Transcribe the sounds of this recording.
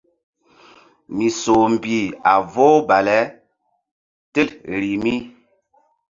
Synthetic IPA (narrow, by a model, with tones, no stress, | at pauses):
mi˨so˨m̩˨bi˨a˨vo˦ba˨lɛ˨˦ | te˦lɾi˨mi˦